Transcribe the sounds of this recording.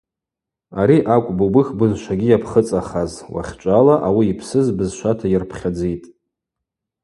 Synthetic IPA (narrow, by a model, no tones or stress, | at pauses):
aɾiʔakʷʼbubɨxʲbɨzʃʷaɡʲijapʰχət͡sʼaχazwa̰χʲt͡ʃʷʼalaʔawiːpʰsɨzbɨzʃʷatʰajɪrpʰχʲad͡zejtʼ